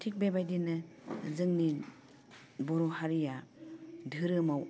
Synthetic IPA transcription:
tʰik̚bebajdinɯzɯŋni | bɔɾɔhaɾija | dʱɯɾɯmaw

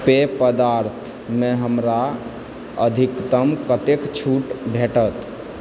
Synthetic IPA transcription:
pepəd̪aɾt̪ʰ | mẽɦəmɾa | ə̰d̪ʱikt̪əmkət̪ekt͡ʃʰuʈbʱeʈət̪

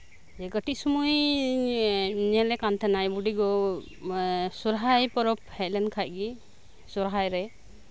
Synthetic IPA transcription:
d͡ʒɛɡəʈic̚sumuj | nɛlɛkant̪ʰanajbuɖiɡɔ | suɾɦajpɔɾɔp̚hɛc̚lɛnkʰaj̚ɡi | suɾɦajɾɛ

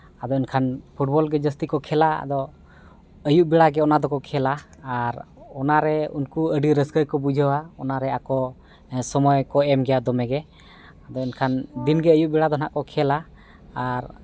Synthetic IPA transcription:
ad̪ɔinkʰanpʰuʈ̚bɔlɡɛd͡ʒəst̪ikɔkʰɛlaa̰d̪ɔ | əjuʔbɛɽaɡɛɔnad̪ɔkɔkʰɛlaːɾɔnaɾɛṵnkuəɖiɾəskəjkɔbud͡ʒʱəwaɔnaɾɛakɔ | sɔmɔjkɔɛmɡɛjad̪ɔmɛɡɛ | ad̪ɔinkʰand̪inɡɛəjuʔ̚bɛɽad̪ɔna̰ʔkɔkʰɛla | aɾ

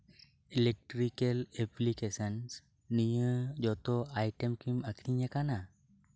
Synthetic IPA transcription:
ilek̚ʈɾikeleplikesəns | nijəd͡ʒɔt̪ɔajʈemkiməkʰɾiɲakana

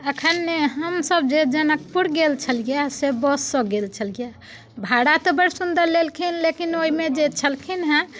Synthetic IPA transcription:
əkʰənːeɦəmsəb̚d͡ʒed͡ʒənəkpuɾɡelt͡ʃʰəlɡijasebɔsːə̃ɡelt͡ʃʰəlɡija | bʱaɽat̪ɔbəɽsund̪əɾlelkʰinlekinoimed͡ʒet͡ʃʰəlkʰinɦɛ̃

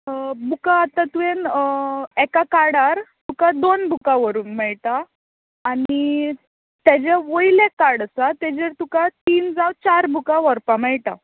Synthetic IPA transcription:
bukaːt̪at̪uen | ɛkakaɽaɾt̪ukad̪onbʱukãʋəɾuːnmɛɭʈaː | ni | t̪jad͡ʑaʋəjlekaɽəsat̪ed͡ʑeɾt̪ukat̪iːnd͡zawt͡ɕaɾbʱukaʋəɾpamɛɭʈa̰

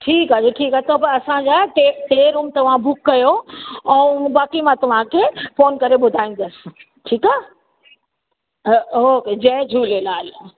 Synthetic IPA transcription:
ʈʰiːkaːeʈʰiːkaɦt̪opɐɾɐsãd͡ʑaːʈeʈeːɾuːmt̪ɐʋ̤ãbʊkːɐjoɛ̃ːbaːkimãt̪ɐʋ̤ãkʰeːfoːnkɐɾeɓʊd̪ʱaːĩn̆d̪əsɪ̥ | ʈʰiːkaː | ɦoked͡ʑɐd͡ʑʱuːlelaːl

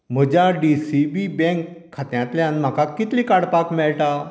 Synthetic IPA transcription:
m̤əd͡ʑaɖisibibɛ̃ŋkʰːat̪jãt̪ljãnm̤akakːit̪lĩkaɽpakmɛɭʈa

